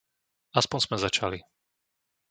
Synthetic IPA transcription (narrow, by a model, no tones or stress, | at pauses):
aspɔnz̥mɛzat͡ʃali